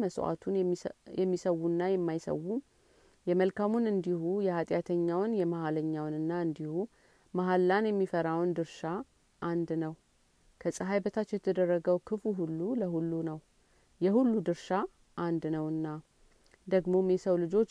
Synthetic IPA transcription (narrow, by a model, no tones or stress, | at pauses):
məswa̰t̪ʰunjɛmːisəwːunːajɛmːajsə̰wːu | jɛməlkʰamunɨnd̪ihujɛhat̪ʼjat̪ʰəɲːawnjɛmahaləɲːawnɨnːaɨnd̪ihu | maɦalːanjɛmːifəɾawnd̪ɨɾʃa | ʔːnd̪nəw | kʰəsʼəɦajbət̪ʰat͡ʃːjɛt̪ʰəd̪ərːəɡəwkʰɨfuɦulːuləɦulːunəw | jɛhulːud̪ɨɾʃa | ʔand̪nəwɨnːa | d̪əɡmo̞mesəwlɨd͡ʒo̞t͡ʃː